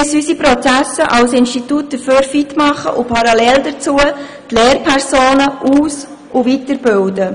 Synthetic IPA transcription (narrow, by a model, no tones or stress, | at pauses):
əsysipɾɔt͡sæsəʔɑlsɪnstitut̚d̪̥əføːɾfitmɑχə̰ʔʊpʰɑɾɑlɛldət͡suə | t̪leːrpʰɛɾsoːnəʔuːs | ʊvitəɾbɪldə